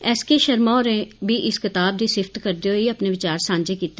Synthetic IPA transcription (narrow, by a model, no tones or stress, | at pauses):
ɛːskeʃəɾmaoɾẽbʱiːʔɪskɪt̪aːb̚d̪iːsɪfʰt̪kəɾd̪eoiɐpneʋɪt͡ʃaːɾsãːɲd͡ʒeːkiːt̪e